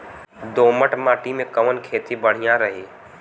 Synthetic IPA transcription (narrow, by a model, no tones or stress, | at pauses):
d̪oməʈmaːʈimẽkəmənkʰeːt̪ibəɽ̤ijãɾəɦi